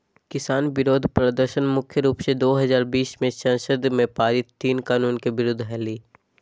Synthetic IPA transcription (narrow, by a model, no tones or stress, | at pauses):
kɪsaːnbɪɾoːd̪ʱpɾəd̪əɾʃənmʊkʰjəɾuːpsed̪oːɦɐzaːɾbiːsmẽsɐ̃nʃəd̪mẽpaːɾɪt̪ːiːnkaːnuːnkebɪɾʊd̪ʱɦɛːliː